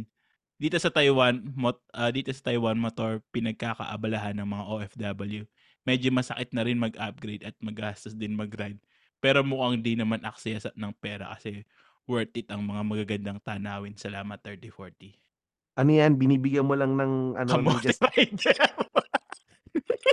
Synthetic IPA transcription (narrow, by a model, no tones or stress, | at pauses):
d̪̥iːt̪o̞sɐt̪ɐjwanmotʔɐd̪iːt̪osɐ̥t̪ɐjwanmot̪oɹpɪnɐɡ̚kaːkɐ̰ʔɐ̰bɐlaɦanːɐŋmɐŋaʔoːʔɛfd̪ɐbɐlju | mɛd͡ʒomɐsɐkɪt̪̚nɐɾɪnmɐɡʔɐp̚ɡɾejd̪ɐt̪̚mɐɡɡaːst̪ɐsd̪ɪnmɐɡɾajd̪̚ | pɛːɾo̞mʊʔɐŋd̪inɐmanʔɐk̚sɛɐsɐnɐŋpɛːɾɐ̰kɐsɛ | wɛɹt̪ɪt̪ɐŋmɐŋamɐɡaɡɐnd̪aŋt̪anaːwɪnsɐlaːmɐt̪ːɛɹt̪ifoɹt̪i | ʔɐnojanbɪniːbɪɡɐnmolaŋnɐŋʔɐ̰noɐnoɾajd̪̚a